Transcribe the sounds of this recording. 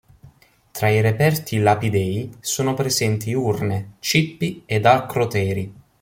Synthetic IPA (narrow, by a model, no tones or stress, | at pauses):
t̪ɾaiɾepɛrt̪ʰilapid̪ɛːjsoːnopɾezɛnt̪iurnet͡ʃipːied̪alkɾot̪ɛːɾi